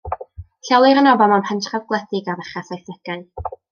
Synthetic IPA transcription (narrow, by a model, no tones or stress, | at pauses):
ɬɛlˠɪɾənɔbɔmanpʰantʰravɡlˠəθɪɡavɛχasajθɛɡajn